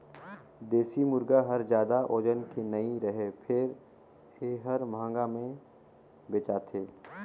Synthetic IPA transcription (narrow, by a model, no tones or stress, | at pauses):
d̪eːsimʊɾɡaɦɐɾzjaːd̪aʔoːd͡ʒənkenɐiɾɐɦepʰɪɾ | eɦɐɾmãːŋɡamẽ | beːt͡ʃaːt̪ʰeː